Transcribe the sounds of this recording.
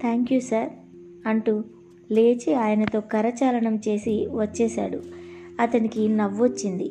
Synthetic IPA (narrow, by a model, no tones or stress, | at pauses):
t̪ʰaːŋkjusaɾ | ɐɳʈu | le̞ːt͡ʃiaːjɐnɐt̪o̞ːkɐɾɐt͡ʃaːlɐɳɐmt͡ʃe̞ːsiʋɐt͡ʃːɛːsa̰ːɽuɐt̪ɐnikinɐʋːot͡ʃːind̪i